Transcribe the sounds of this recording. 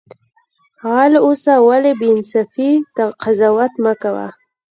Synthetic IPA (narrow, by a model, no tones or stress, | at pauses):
ɣalosawalebeɪnsafit̪aqazawat̪məkawa̰